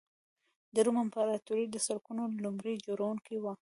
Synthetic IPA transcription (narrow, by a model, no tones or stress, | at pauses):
d̪əɾumampaɾat̪uɾid̪əsalkunolumɾid͡ʒoɾawuŋkiwa